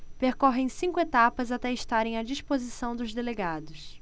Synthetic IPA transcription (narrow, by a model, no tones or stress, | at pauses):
peɾkɔɦẽj̃sĩŋkʊet̪apɐzat̪ɛɪʃt̪aɾẽj̃ɐd͡ʒispozisɐ̃w̃d̪ʊzd̪eleɡad̪ʊs